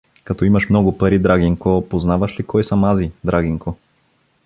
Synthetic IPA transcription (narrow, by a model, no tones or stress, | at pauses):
kɐt̪ɔimɐʃmnɔɡʊpɐɾid̪ɾaɡiŋkopoznavɐʃlikɔjsɐmazid̪ɾaɡiŋko